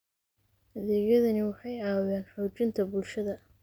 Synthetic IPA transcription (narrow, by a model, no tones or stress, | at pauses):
hɐðɛːɣjɐðɐnɪwɑħɑjaːwaːnħɔːt͡ʃɪnt̪ʰɐbʊlʃɐðɐ